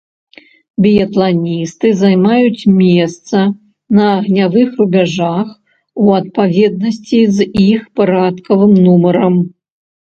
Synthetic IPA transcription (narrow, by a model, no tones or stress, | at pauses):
bʲijɐt̪lˠanʲist̪ɨzajmajut͡sʲmʲɛst̪sɐ | nɐːɣnʲavɨxrubʲaʐax | uɐt̪̚pavʲɛd̪̚nɐsʲt͡sʲizixpaɾat̪kɐvɨmnumɐɾɐm